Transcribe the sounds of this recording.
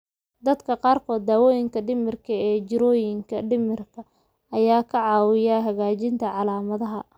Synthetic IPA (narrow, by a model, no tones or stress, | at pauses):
d̪ɐd̪kʰɐqɑːrkʰɔːd̪̚ːaːwɔːjɪŋkʰɐɖɪmɪrkʰɐɛːt͡ʃɪɾɔːjɪŋkʰɐɖɪmɪrkʰɐ | ʔɐjaːkʰɐʕɑːwɪjaɦɐɣaːt͡ʃɪnt̪ʰɐʕɑlaːmɐðɐɦɐ